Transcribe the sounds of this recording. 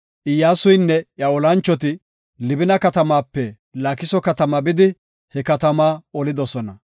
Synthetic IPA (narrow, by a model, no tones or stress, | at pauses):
ʔɪjːaːsʊjnːɛjɐɔlɐnt͡ʃːɔt̪̬ɪ | lɪbɪnɐkɐt̪ɐmaːpːɛ | lɐkɪsɔkɐt̪ɐmɐbɪd̪ɪ | hɛkɐt̪ɐmaːɔlɪd̪ɔsɔnɐ